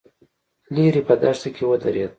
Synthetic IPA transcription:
liɾipəd̪aʃt̪akʰʲewəd̪aɾed̪̚

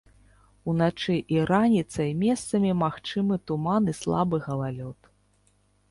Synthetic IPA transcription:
unat͡ʂɨʔiɾanʲit̪sɐimʲɛst̪sɐmʲimaxt͡ʂɨmɨt̪umanɨslˠa̰bɨɣɐlˠalʲɔt̪

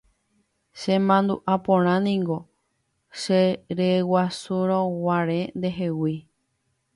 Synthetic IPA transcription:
ʃẽmãnd̪uʔapõɾ̃ãnĩŋɡo̞ | ʃeɾewasuɾ̃õwaɾẽnd̪e̞ɦe̞wi

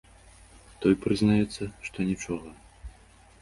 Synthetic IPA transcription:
t̪ɔjpɾɨznajɛt̪sːɐʂt̪ɔnʲit͡ʂɔɣɐ

